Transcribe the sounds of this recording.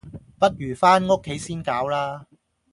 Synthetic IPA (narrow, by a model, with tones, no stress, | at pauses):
pɐ˥t̚jyː˨˩faː˥nŋo˥kʰːe˨˥jsiː˥nkaː˨˥wlaː˥